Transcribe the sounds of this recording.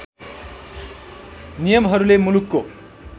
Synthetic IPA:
nijʌmɦʌɾulemulukːo

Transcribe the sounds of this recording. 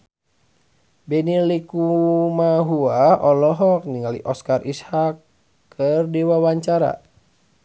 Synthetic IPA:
bɛnilikumaɦuaɔlɔɦɔk̚niŋalḭʔɔskarʔishakː | ərdiwawaɲt͡ʃaɾa̰

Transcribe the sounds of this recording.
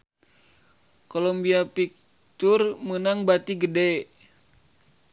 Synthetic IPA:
kolombiapik̚ | t̪urmənaŋbat̪iɡədɛ

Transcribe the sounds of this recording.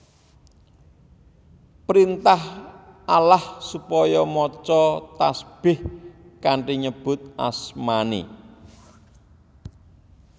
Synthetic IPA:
pɾint̪ahalahsupɔjɔmɔt͡ʃɔt̪asb̥ɪh | kaɳʈiɲəb̥ʊ̤t̪̚ʔa̰smanḭ

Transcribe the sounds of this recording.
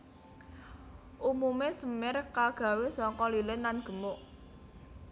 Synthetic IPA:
ʔumumesəmɪrkaɡ̥a̤wesɔŋkɔlilɪnːanɡ̥ə̤mʊʔ

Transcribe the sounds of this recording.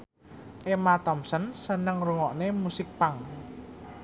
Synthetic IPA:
ʔemat̪ɔmsənsənəŋruŋɔʔnemusɪk̚paŋ

